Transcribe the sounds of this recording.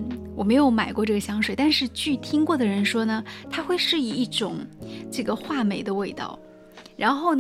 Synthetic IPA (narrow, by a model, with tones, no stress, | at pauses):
wɔ˨˩me˧˥ɪjo˧˥ʊma˨˩ɪkwɔ˥˧ʈ͡ʂɤ˥˩ɡə˩ɕjɑ˧˥ŋʂwe˨˩ɪt̪a˥˧nʂɻ̩˥˧t͡ɕy˥˩t̪ʰi˥ŋkwɔ˥˩d̪ə˩ɻə˧˥nʂwɔ˥nə˨t̪ʰa˥xwe˥˧ɪʂɻ̩˥˧i˥˩i˥˩ʈ͡ʂʊ˨˩˦ŋʈ͡ʂɤ˥˩ɡə˩xwa˥˩me˨˩ɪd̪ə˦we˥˧ɪt̪ɑ̰˥˩ʊ | ɻa˧˥nxo˥˩ʊn